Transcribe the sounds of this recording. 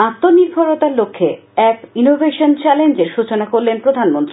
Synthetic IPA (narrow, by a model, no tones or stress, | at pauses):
at̪ːoniɾbʱoɾot̪aɾlokʰːe | ɛpinobʱeʃont͡ɕɛlend͡ʑeɾʃut͡ɕonakoɾlenpɾod̪ʱanmont̪ɾi